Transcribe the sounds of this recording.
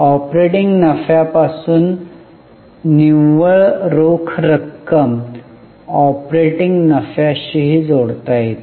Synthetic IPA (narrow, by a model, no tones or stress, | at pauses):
ɔpɾeʈiŋɡnəfjapasuːn | iʋəɭɾokʰɾəkːəm | ɔpɾeʈiŋɡnəfjaɕiɦiːd͡zoɽt̪ajt̪